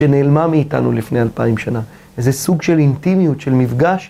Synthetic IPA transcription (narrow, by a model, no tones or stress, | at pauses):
eneːlmamiːta̰nṵlifne̞alpaimʃana | ezesuɡʃe̞lintimijutʃe̞lmivɡaʃ